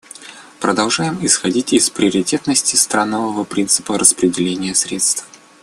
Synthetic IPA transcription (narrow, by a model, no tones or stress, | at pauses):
pɾəd̪ɐlˠʐajɪmɪsxɐdʲitʲɪspɾʲɪəɾʲɪtʲe̞t̪nəsʲtʲɪst̪ɾanːəvəvəpɾʲint̪sɨ̥pəɾəspɾʲɪdʲɪlʲenʲɪjəsɾʲet̪st̪f